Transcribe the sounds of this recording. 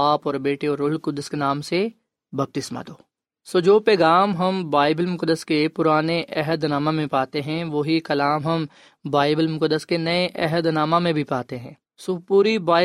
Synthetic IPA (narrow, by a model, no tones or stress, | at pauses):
aːpɔːɾbeːʈeɔːɾʊlkʊd̪əskenaːmse | bɐb̚t̪ɪsmã̰d̪oː | soːd͡ʒoːpɛːɡaːmɦɐmbaːɪbəlmʊkəd̪ːəskepʊɾaːneʔɛɦəd̪naːmãmẽpaːt̪eɦɛ̃ʋoːɦikɐlaːmɦɐm | baːɪbəlmʊkəd̪ːəskenɐeʔɛɦəd̪naːmãmẽbʱipaːt̪eɦɛ̃ː | soːpuːɾibaːɪ